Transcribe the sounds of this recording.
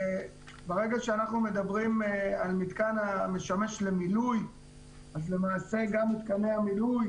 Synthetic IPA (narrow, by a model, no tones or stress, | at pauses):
baʁe̞ɡaʃeanaχnume̞d̪abʁimalmit̪kaname̞ʃame̞ʃle̞miluj | azle̞maːse̞ɡamːit̪kaneamiluj